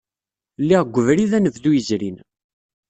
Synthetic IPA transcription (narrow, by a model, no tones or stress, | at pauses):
lːiʁɡʷəvɾiðænəvðujəzɾin